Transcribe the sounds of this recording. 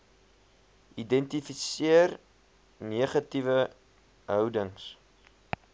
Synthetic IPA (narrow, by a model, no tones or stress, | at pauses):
ʔidɛntifisiər | niəχɐtivə | ɦœwdəŋs